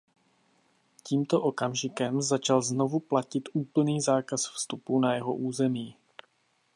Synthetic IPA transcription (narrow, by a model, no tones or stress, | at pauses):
ciːmt̪o̞ʔo̞kamʒɪkɛmzat͡ʃalzno̞vuplacɪt̪ʔuːpl̩niːzaːkasfst̪upunajɛɦo̰ʔuːzɛmiː